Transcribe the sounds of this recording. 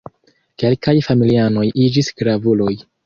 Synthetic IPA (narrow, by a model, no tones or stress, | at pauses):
ke̞lkajfamiliano̞jʔid͡ʒisɡ̥ɾavulo̞j